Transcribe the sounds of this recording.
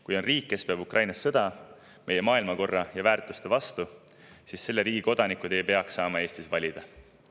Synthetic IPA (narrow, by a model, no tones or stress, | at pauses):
kujo̞nriːkːe̞speɑbukrʔɑjnɑsːɤd̪̥ɑ | me̞je̞mɑːilmɑko̞rːɑjɑvæːrt̪ˑust̪evɑst̪u | sisse̞lːe̞ɾiːɡiko̞d̪̥ɑnikːud̪̥e̞jpe̞ɑksːɑːmɑe̞ːst̪isvɑlʲid̪̥ɑ